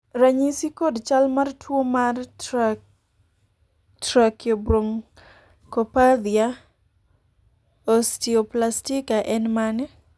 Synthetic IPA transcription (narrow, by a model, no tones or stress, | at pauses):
raɲisikodt͡ʃalmartwomar | tɾakjobɾoŋ | kɔpad̪ia | ɔstioplastikaʔɛnmanɛ